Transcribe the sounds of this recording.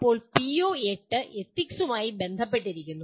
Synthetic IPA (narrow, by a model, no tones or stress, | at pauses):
pːo̞ːɭpioːeʈːɨʔet̪ːiksumaːjibe̞nd̪ʱɐp̬ːeʈːiɾikʲːunːu